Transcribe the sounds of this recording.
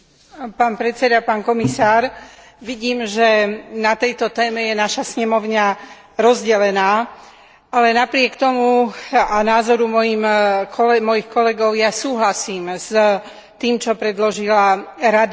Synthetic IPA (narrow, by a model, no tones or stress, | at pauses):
paːnpɾɛt̪t͡sɛd̪apaːnkɔmisaːɾ | ʋiɟiːmʒɛnat̪ɛjt̪ɔt̪ɛːmɛjɛnaʃasɲɛmɔʊɲa | ɾɔzɟɛlɛnaː | ʔalɛnapɾɪɛkt̪ɔmuanaːzɔɾumɔjimkʰɔlɛmɔjixkɔlɛɡɔʊjasuːɦlasiːms | t̪iːmt͡ʃɔpɾɛd̪lɔʒilaɾad̪